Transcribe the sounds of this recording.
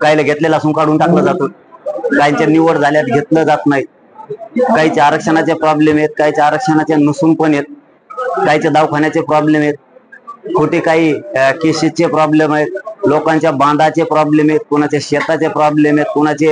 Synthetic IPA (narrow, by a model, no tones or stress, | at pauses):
kajləɡʱet̪lelasuːnkaɽuːnʈakləd͡zat̪ot̪̚ | kajɲt͡ɕaniʋəɽd͡zʱaljat̪ɡʱet̪ləd͡zat̪naɦi | kaɦit͡seaɾəkʂənat͡ɕepɾɔblemjet̪̚kaɦit͡sjaaɾəkʂənat͡ɕanəsuːnpəɳjet̪̚ | kaɦit͡sed̪aʋkʰaɳjat͡sepɾɔblemjet̪̚ | kʰuʈeːkaɦiːkeɕet͡ɕepɾɔblemaɦet̪̚lokãɲt͡ɕjabãnd̪at͡sepɾɔblemjet̪̚kuɳ̃at͡ɕeɕet̪at͡ɕepɾɔblemjet̪̚kuñat͡se